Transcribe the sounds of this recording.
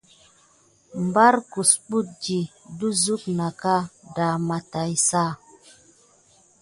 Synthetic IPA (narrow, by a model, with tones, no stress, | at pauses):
m˨ba˦ɾku˨sɓu˦t̚d͡ʒi˨du˦zu˦kna˨ka˦da˨ma˨ta˨jsa˦˨